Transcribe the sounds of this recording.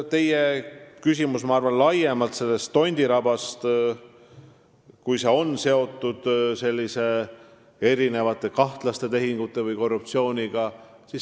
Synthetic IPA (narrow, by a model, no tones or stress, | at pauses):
t̪e̞jekysʲimusmɑɑrvɑnlɑje̞mɑlt̪se̞lːe̞st̪ːo̞nʲd̪̥iɾɑb̥ɑst̪ | kujse̞o̞nːse̞o̞t̪ːˑud̪̥se̞lʲːise̞ | e̞ɾine̞vɑt̪ːˑe̞kɑht̪lɑst̪e̞t̪e̞ɦiŋɡ̥ut̪ːˑe̞vɨjko̞rːup̚t̪sio̞ːnʲiɡ̥ɑ | sis